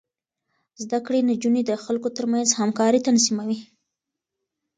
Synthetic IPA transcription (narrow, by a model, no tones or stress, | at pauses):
zd̪akɽenad͡ʒuned̪əxalkot̪əɾmanzhamkɑɾit̪anzimawi